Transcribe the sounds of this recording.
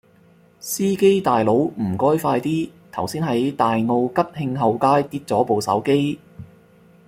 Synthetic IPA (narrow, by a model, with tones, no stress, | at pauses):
siː˥ke˥jt̪aː˨jlo˨˧˥wm̩˨˩kɔː˥jfaː˧jt̪iː˥t̪ʰɐ˨˩wsiː˥nɦɐ˨˥jt̪aː˨jŋo˧wkɐ˥p̚hɪ˧ŋɦɐ˨˧wkaː˥jt̪iː˧t̚t͡sɔː˨˥po˨˧wsɐ̰˨˥wke˥j